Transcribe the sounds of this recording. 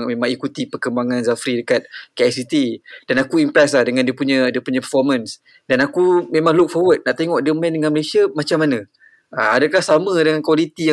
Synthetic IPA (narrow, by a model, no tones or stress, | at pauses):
ŋmẽmãŋikut̪ipərkəmbaŋãnzafɾidəkat̪̚keasit̪id̥anakuimpɾɛs̬lahdəŋãndiəpuɲə̃diəpuɲapəfɔrmə̃ns | danakumẽmãŋluk̚fɔwət̪̚naʔt̪eŋɔʔdiəmandəŋanməlesiamat͡ʃamːanə̃ | əadakahsamə̃dəŋankwalit̪ijã